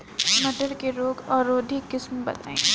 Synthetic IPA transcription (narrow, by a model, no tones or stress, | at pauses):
mɐʈəɾkeɾoːɡɔːɾoːd̪ʱikːɪsmbɐ̰t̪aːĩ